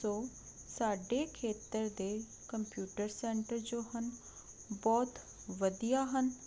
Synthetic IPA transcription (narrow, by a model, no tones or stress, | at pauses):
o | saːɖekʰeːt̪əɾd̪e | kə̃mpjuːʈəɾseːɳʈəɾd͡ʑoːɦən | bɔːt̪ | ʋɐd̪ijaɦən